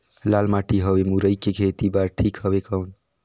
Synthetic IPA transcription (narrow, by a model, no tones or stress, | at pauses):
lalmaʈiɦʌbemuɾəjkekʰet̪ibaɾʈʰikɦʌbekəwn